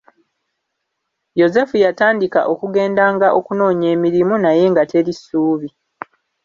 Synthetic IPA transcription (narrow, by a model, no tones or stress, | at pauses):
jo̞ze̞fujataːndika̰ʔo̞kuɡe̞ːndaːŋɡaʔo̞kuno̞ːɲe̞ːmiɾimunaje̞ŋɡatʰe̞ɾisuːβi